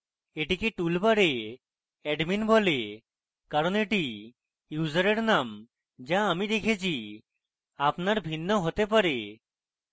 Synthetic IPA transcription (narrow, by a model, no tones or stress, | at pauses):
eʈikeʈulpaɾe | ɛɖminbʱɔle | kaɾɔneʈi | juzəɾeɾnam | d͡ʒaːmid̪ekʰet͡ʃʰi | apnaɾbʱinːɔɦot̪ep̬aɾe